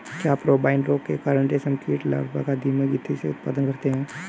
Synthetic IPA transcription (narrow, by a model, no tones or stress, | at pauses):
kjaːpɾoːbaːɪnɾoːkːekaːɾəɳʈesɐmkiːʈla̰ːbba̰kad̪imãɡɪt̪ʰːiseʊt̪̚pa̰ːd̪ənkɐɾt̪eɦɛ̃ː